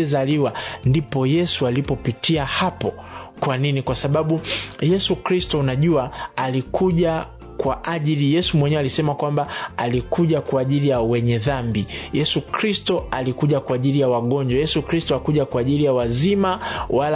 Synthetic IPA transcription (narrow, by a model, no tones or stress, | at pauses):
ɛzaliwandipɔjɛsualipɔpitiahapɔ | kwaninikwasaɓaɓujɛsukɾistɔunaʄuaalikʰuʄa | kwaʔaʄilijɛsumwɛɲɛwɛalisɛmakwambaalikuʄakwaːʄilijawɛɲɛðambijɛsukɾistɔalikuʄakwaːʄilijawaɠɔɲd͡ʒwajɛsukɾistɔakuʄakwaːʄilijawazimawal